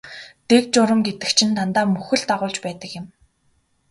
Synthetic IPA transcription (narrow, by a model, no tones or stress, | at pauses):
t̪ek̚t͡ɕʊɾə̆mɡet̪ɘ̆kt͡ɕʰɪ̆nt̪ʰant̪aːmɵxɘ̆ɮt̪aʁʊːɮt͡ɕpæːt̪ə̆kjɪ̆m